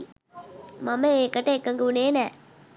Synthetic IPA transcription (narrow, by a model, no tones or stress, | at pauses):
mɐmɐeːkɐʈːɐekːɐŋɡuuneːnɛː